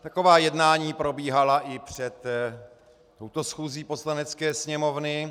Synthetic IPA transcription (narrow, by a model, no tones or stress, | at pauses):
t̪ako̞vaːjɛdnaːɲiːpɾo̞biːɦalaʔɪpr̝̥ɛt̪ | t̪ːowt̪osxuːziːpo̞slanɛt͡skɛːsɲɛmo̞vnɪ